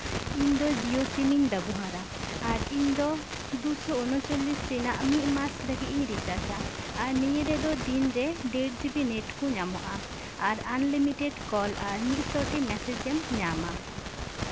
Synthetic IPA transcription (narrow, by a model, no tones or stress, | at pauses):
iɲd̪ɔd͡ʒijosimiɲd̪abuɦaɾa | aɾiɲd̪ɔ | d̪usɔɔnɔt͡ʃɔlisɾɛnaʔmiʔ̪̚masləɡit̪̚iɲɾit͡ʃasaː | ɾnijɾɛd̪ɔd̪inɾɛɖeɖ̚d͡ʒibinɛʈkɔɲama̰ʔa | aɾanlimiʈɛɖkɔlaɾnitsɔʈimɛsɛd͡ʒɛmɲama